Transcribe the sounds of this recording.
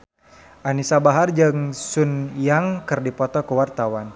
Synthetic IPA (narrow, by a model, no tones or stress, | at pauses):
ʔanisabaɦard͡ʒaŋsunjaŋkɨrdipɔt̪ɔkəwart̪awan